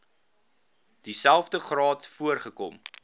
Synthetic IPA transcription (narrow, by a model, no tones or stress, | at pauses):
d̥isælˠfdəχrɑːtfuərχəkɔ̰m